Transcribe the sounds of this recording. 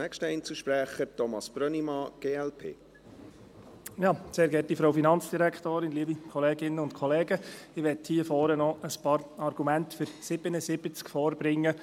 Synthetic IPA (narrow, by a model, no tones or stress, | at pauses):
ɛkʃtəɛɪnt͡səʃpɾæχəɾtɔmɑsb̥ɾœnimɑɡ̥eːɛlpʰḛː | jɑːseːɾɡɛtifɾowfinɑnt͡sd̥iɾæktoːɾɪnliəbikʰɔlɛːɡɪnːəʊntkʰɔlɛːɡəɪʋɛthiəfɔːɾənɔʔəspɑːɾɑɾɡ̥umæntfʏɾsɪbənəsɪb̥ət͡skfɔːɾb̥ɾɪŋːə